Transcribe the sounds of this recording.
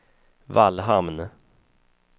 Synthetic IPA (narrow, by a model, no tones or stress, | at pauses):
valɦamn